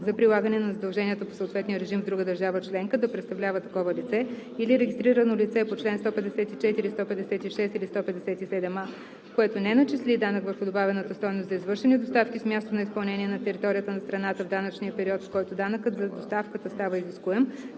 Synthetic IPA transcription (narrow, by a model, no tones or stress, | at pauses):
zɐpɾilˠaɡənɛnɐzɐd̪ɐlˠʒɛniət̪əposəoːt̪vɛt̪nijəɾɛʒimvd̪ɾuɡəd̪əɾʒavət͡ʃlɛŋkəd̪ɐpɾɛt̪st̪ɐvlʲavət̪ɐkɔvəlit̪sɛ | iliɾɛɡʲist̪ɾiɾənolit̪sɛpot͡ʃlɛnst̪ɔpɛd̪ɛsɛt̪it͡ʃɛt̪iɾist̪ɔpɛd̪ɛsɛt̪iʃɛst̪ilist̪ɔpɛd̪ɛsɛt̪isɛd̪ɛma | koɛt̪onɛnɐt͡ʃislʲid̪anəkvəɾxʊd̪obavɛnət̪əst̪ɔjnoszɐizvɤɾʃɛnid̪ost̪afkismʲjast̪onɐispɐlˠnɛniɛnɐt̪ɛɾit̪ɔɾʲijət̪ənɐst̪ɾɐnat̪əvd̪anət͡ʃnijəpɛɾiɔt̪fkɔjt̪od̪anəkət̪zɐd̪ost̪afkət̪əst̪avəiziskuɛm